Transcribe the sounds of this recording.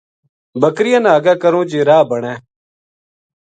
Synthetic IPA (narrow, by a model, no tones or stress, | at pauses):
bəkɾɪjãːnaːɡaːkəɾõːd͡ʒeːɾaːbəɳɛ̃ː